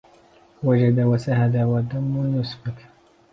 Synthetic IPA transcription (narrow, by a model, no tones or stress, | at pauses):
wad͡ʒad̪awasahad̪awad̪amːʊnʊsbak